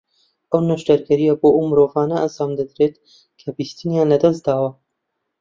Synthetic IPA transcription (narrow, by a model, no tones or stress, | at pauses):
ʔɐwnɐʃt̪ɐɾɡɐɾijɐboʔɐwmɨɾoːvaːnɐʔaːsaːmd̪ɐd̪ɾet̪ | kʰɐbist̪ɨnjaːnlɐd̪ɐsd̪aːwɐ